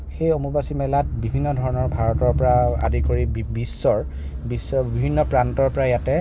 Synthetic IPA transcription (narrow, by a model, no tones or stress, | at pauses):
xejomubasimɛlatbibʱinːɔdʱɔɹɔnɔɹbʱaɹɔtɔɹpɔɹaa̰dikoɹibisːɔɹ | bisːɔbibʱinːɔpɹantɔɹpɔɹajatɛ